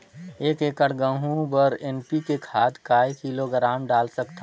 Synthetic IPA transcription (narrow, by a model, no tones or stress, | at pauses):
eːkeːkəɽɡə̃ɦũbəɾeːnpikekʰaːt̪kaːikiːloɡɾaːmɖaːlsəkt̪a